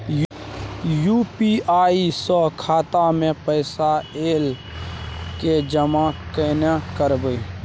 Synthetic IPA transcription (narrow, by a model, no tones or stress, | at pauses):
j | juːpiʔaːisɔkʰaːt̪amẽpəɪsaeːl | ked͡ʒəmakənakəɾbəi